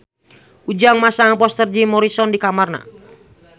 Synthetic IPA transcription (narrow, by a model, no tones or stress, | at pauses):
ud͡ʒaŋmasaŋpɔst̪ərd͡ʒimɔɾisɔndikamarna̰